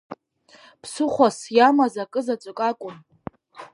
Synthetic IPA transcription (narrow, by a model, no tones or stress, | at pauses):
pʰsɨχʷasjamazakʼɨzat͡ʃʷʼɨkʼakʷʼʊn